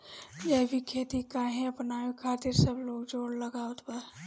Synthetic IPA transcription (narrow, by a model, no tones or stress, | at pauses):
d͡ʒɛbʱikʰeːt̪ikaɦɛ̃ɐpnaʋekʰaːt̪ɪɾsəbloːɡd͡ʒoːɽlɐɡaət̪pəɾ